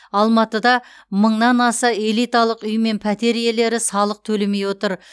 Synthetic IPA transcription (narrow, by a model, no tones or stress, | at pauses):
ɑlˠmɑt̪əd̪ɑ | məɴnɑnɑsəe̞lˠijt̪ɑlˠəqʏjme̞npʰæt̪e̞ɾije̞le̞ɾɪsɑlˠəq̚t̪ʰɵleme̞jwot̪əɾ